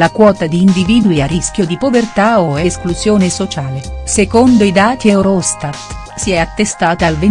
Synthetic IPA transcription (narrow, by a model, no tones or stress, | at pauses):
lakwɔːt̪ad̪iːnd̪iviːd̪wiarisk̟jod̪ipovert̪aoɛskluzjoːnesot͡ʃaːlesekond̪oid̪aːt̪iɛwɾɔst̪at̪ | siɛat̪ːest̪aːt̪aːlve